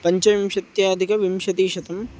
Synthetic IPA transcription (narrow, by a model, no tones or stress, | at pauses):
pɐɲt͡ʃɐʋimʂɐt̪jaːd̪ʱikɐʋimʃɐt̪iːʃɐt̪ɐm